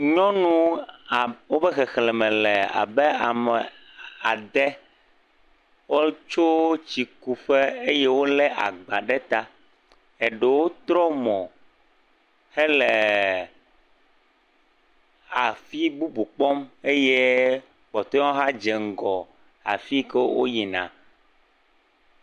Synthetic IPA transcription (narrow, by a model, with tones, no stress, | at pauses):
ɲɔ̃˦nũ˦˨ | wo˦bɛ˦xɛ˨xlɛ˨mɛ̃˨lɛ˨a̰˨bɛ˦a˨mɛ˨ | a˨d̪ɛ˦ | wo˦t͡ʃo˦t͡ɕi˨ku˦ɸe˦e˦je˦wo˦lɛ˦ʔa̰˨ɡ͡ba˨ɖɛ˦t̪a˦ | e˨ɖɛ˨wo˦t̪ɾɔ˦mɔ̃˨ | hɛ˦lɛ˨ | a˨fi˦bu˦bu˨k͡pɔ˦me˦je˦ | k͡pɔ˨t̪ɔ˦ɔ̃˦ɦa˦d͡ʒɛ˨ŋ̩˦˨ɡɔ˨ | a̰˨fi˦kɛ˦wo̰˦ji˨nã̰˨